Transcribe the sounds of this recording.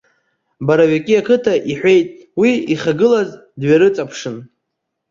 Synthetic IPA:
baɾaɥakʲʼiakʰɨtʰaʔiħʷe̞jtʼ | wiiχaɡɨlaz | dɥaɾɨt͡sʼapʰʂɨn

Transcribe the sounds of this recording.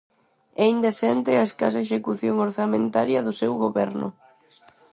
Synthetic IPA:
ɛind̪eθɛnt̪ɪaeskasaeʃekuθjoŋoɾθamẽnt̪aɾjɐðʊsɛwɣoβɛɾnʊ̰

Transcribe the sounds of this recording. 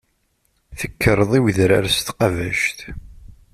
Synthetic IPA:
θəkʰːəɾˤðˤiwðɾaɾst̪qɑvæʃt̪

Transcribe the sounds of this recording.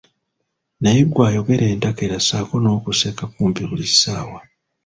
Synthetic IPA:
najeɡwaːjo̞ɡe̞ɾʔe̞ːntakeɾasaːko̞no̞ːkuseːkakuːmpiβulisaːwa

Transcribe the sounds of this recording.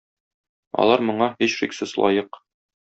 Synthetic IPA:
ɒ̰lˠɑɾmŏɴɑhiɕʃḭksɘslˠɒ̰jɤq

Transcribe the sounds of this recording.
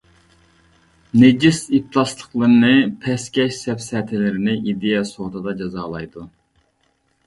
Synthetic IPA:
ned͡ʒisip̚t̪ʰlˠɑslˠəqlˠɨɾɨnɨpʰɛskʲɛʃsɛpsɛt̪ʰɪlɪɾɪnɪʔid̪ejɛsot̪ʰɨd̪ɑd͡ʒɑzɑːlˠɑjd̪u

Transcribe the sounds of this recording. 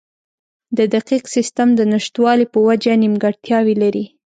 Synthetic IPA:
d̪əd̪aqiqsɪst̪amd̪ənəʃt̪wɑlipəwad͡ʒanimɡaɽt̪jɑwilaɾi

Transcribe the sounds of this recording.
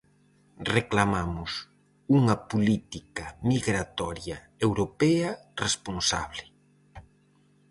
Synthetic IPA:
reklamamʊs | uŋɐpolit̪ikɐmiɣɾat̪ɔɾjɐ | ewɾopɛɐresponsa̰βlɪ

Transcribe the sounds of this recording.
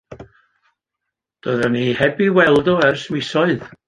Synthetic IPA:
d̥oːðənihɛbiwɛlˠdɔɛrsmɪsɔɨð

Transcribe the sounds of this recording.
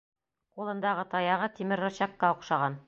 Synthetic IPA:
qulˠɤ̆nd̪ɑʁɤt̪ɑjɑʁɤt̪imɘɾːŏɕɑkːɑŏqʃɑʁɑn

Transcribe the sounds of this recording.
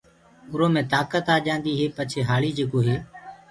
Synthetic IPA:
ʊɾoːmẽːt̪aːkət̪aːd͡ʒãːnd̪iːɦeːpət͡ʃʰeːɦaːliːd͡ʒeːkoːɦeː

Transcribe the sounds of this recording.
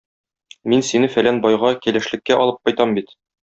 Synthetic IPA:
minsinɘfælænbɒjʁɑkælæ̆ʃlɘ̆kːæʔɒlˠɤp̚qɒjt̪ɑmbit̪

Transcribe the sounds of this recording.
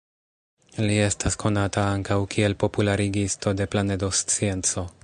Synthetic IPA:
lie̞staskʰo̞natʰaaŋkawkʰie̞lpo̞pulaɾiɡisto̞de̞plane̞do̞st͡sie̞nt͡so̞

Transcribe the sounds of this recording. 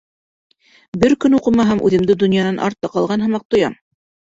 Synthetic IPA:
bɘɾkɵnuqɤ̆mɑɦæmʔʉ̰ðɘ̆md̪ɘd̪ŏnjɑnɑnʔɑ̰ɾt̪ːɤqɑlˠʁɑnɦɤ̆mɑq̚t̪ŏjɑm

